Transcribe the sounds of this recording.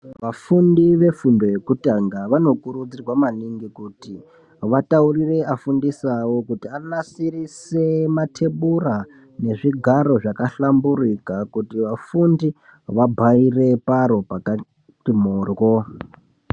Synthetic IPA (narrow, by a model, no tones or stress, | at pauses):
ʋafundiʋe̞fundo̞je̞kutaŋɡaʋano̞kuɾud͡zirwamaniŋɡikuti | ʋataurire̞afundisawo̞kutianasirise̞matʰe̞ɓura | ne̞ʐiɡʱaɾo̞ʐakaɬamburikakutiʋafundi | ʋabʱaire̞paɾo̞paka | timoːrwo̞